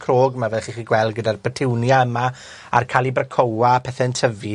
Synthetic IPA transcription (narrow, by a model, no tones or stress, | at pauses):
kʰroːɡəmavɛðχiχiːɡwɛlˠd̚ɡədarpʰətʰɪwnjaəma | a̰rkʰalˠibrəkʰowapʰɛθɛəntʰəvi